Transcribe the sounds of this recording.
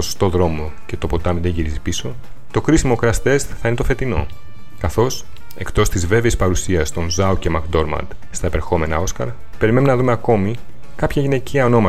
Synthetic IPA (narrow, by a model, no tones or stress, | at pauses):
oso̥st̪o̞ðɾo̞mo̞ | ce̞t̪o̞po̞t̪ɐmiðeɲʝiɾizipiso̞ | t̪o̞kɾisimo̞kɾɐst̪e̞st̪θɐine̞t̪o̞fe̞t̪ino̞̰ | kɐθo̞s | e̞̰kt̪o̞st̪izve̞veispɐɾusiɐst̪o̞nzɐuce̞mɐkd̪o̞ɾmɐ̰nd̪ | st̪ɐepeɾxo̞me̞nɐ̰o̞skɐ̰ɾ | pe̞ɾime̞nunɐðume̞ɐko̞mi | kɐpçɐʝine̞ciɐono̞mɐ